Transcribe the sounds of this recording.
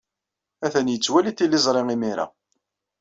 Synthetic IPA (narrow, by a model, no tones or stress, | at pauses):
æθənjət͡sːwæliθilːɪzˤɾˤɪŋimiɾa̰